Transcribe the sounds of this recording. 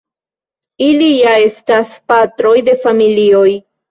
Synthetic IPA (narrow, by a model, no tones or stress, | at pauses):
ilijae̞staspat̪ɾo̞jd̪e̞familio̞j